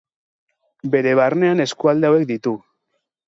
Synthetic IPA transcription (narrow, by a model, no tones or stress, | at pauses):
be̞ɾe̞βarne̞ane̞skuald̪eawe̞k̚d̪it̪u